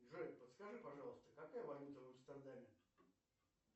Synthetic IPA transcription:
ʐɨpət̪skɐʐɨpɐʐɑlˠəst̪əkɐkajəvɐjut̪ənəmst̪əɾd̪amʲɪ

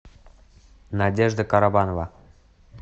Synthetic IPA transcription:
nɑdʲeʐd̪əkɑɾɑbɑnvɑ

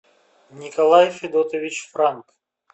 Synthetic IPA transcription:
nʲɪkɐlˠajfʲɪd̪ɔt̪əvʲit͡ɕfɾank

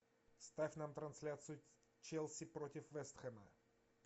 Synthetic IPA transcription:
st̪afʲnamt̪ɾɐnsʲlʲat̪sɨju | t͡ʃɛlˠsʲipɾɔt̪ʲifvɛst̪xɛmə̰

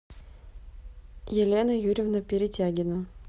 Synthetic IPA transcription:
jɪlʲenəjuɾʲɪvnəpʲɪɾʲɪtʲæɡʲɪnə

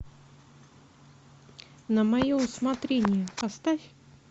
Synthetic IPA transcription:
nəmɐjosmɐt̪ɾʲenʲɪjəpɐst̪afʲ

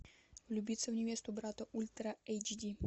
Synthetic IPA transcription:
lʲubʲit̪sɛvɲɛvʲjɛst̪ubɾat̪ɐʔulʲt̪ɾaɛjd͡ʒd̪ʲi

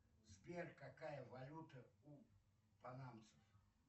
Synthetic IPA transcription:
zbʲerkakajəvɐlʲut̪əu | pɐnamt̪sɨf

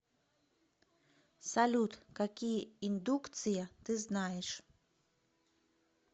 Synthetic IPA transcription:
salʲut̪kakʲijɐind̪ukt̪sɨjɐt̪ɨznajɛʂ

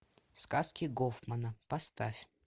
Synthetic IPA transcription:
skaskʲɪɡofmənəpɐst̪afʲ

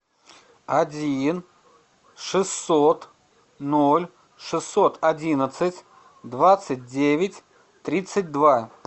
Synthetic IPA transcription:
ɐdʲin | ʂɨsːot̪ | nolʲ | ʂɨsːot̪ɐdʲinət̪sɨtʲ | d̪vat̪sɨt̚ʲdʲevʲɪtʲ | t̪ɾʲit̪sɨt̚ʲd̪va

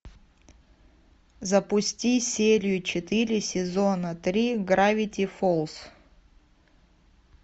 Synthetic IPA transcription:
zəpʊsʲtʲisʲeɾʲɪjʊt͡ɕɪt̪ɨɾʲɪsʲɪzonət̪ɾʲiɡɾavʲɪtʲɪfolˠs

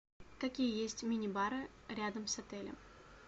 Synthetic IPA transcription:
kɐkʲijəjesʲtʲmʲɪnʲɪbaɾɨɾʲad̪əmsɐt̪ɛlʲə̰m

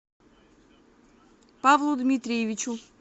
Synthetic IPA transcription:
pavlˠud̪mʲit̪ɾʲijevʲit͡ʃu

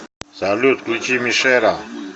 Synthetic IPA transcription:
zaːljot̪klit͡ɕimiʂeːɾaː

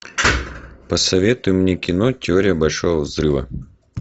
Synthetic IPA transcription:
pəsɐvʲet̪ʊjʊmnʲekʲɪnotʲɪoɾʲɪjəbɐlʲʂovəvzrɨvə̰

